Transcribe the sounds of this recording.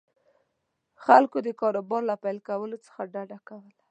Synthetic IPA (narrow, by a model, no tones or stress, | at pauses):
xalkod̪əkɑɾobɑɾlapajlkawəlot͡sə̥xaɖaɖakawəla